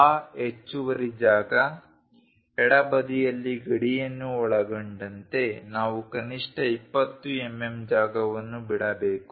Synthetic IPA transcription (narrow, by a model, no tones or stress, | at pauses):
aːet͡ʃːuʋɐɾid͡ʒaːɡɐ | ɛɽɐbɐd̪ijɐlːiɡɐɽijɐnːuɔɭɐɡoɳɖɐnt̪e̞naːʋukɐniʂʈɐipːɐt̪ːuemːemd͡ʒaːɡɐʋɐnːubiɽɐbeːku̥